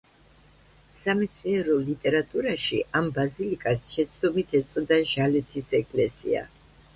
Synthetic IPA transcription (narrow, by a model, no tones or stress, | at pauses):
samɛt̪sʰinɛɾɔlit̪ʼɛɾat̪ʼuɾaʃḭʔambazilikʼasʃɛt̪sʰd̪ɔmit̪ʰɛt̪sʼɔd̪aʒalɛt̪ʰisɛkʼlɛsḭa̰